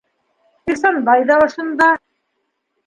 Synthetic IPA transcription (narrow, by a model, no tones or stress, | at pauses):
isɑnbɑjðɑŏʃɤ̆nd̪ɑ